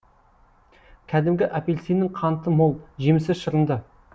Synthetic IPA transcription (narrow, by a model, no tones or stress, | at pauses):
kʲʰæd̪ɪmɡʲɪʔapʲe̞lʲsinɪŋqʰɑnt̪əmolˠʒe̞mɪsɪzʃəɾənd̪ə